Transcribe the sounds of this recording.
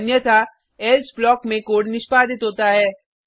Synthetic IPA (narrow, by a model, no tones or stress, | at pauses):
njət̪ʰa | ɛlsblɔːkmẽkoːɽnɪʃpaːd̪ʱɪt̪ɦoːt̪aɦɛː